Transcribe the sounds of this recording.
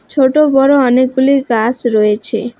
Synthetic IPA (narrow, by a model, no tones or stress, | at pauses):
t͡ʃʰoʈobɔɾoɔnek̚ɡuliɡasɾɔet͡ʃʰe